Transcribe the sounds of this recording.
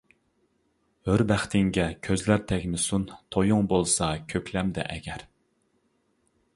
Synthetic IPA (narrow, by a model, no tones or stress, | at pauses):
høɾbæχt̪ɪŋɡʲɛkʲʰøzlæɾt̪ʰɛɡʲmɪsunt̪ʰojuŋbolˠsɑkʲʰøkʲlɛmd̪ɛ̰ʔɛɡʲɛɾ